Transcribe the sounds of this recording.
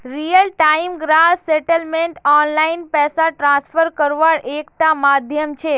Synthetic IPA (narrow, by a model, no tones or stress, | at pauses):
ɾijəlʈaimɡɾaseʈəlmeɳʈɔnlainpɛsaʈɾãsfəɾkəɾʋaɭʔekt̪amad̪ʱjəmt͡ʃʰe